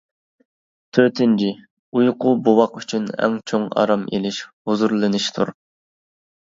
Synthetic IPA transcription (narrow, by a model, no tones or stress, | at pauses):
t̪ʰøɾt̪ʰɪnt͡ʃʰi | ujqʰʊbuwɑqyt͡ʃʰynɛ̰ŋt͡ʃʰoŋɑ̰ɾɑmḛlɪʃhuzuɾlˠɨnɪʃt̪ʰuɾ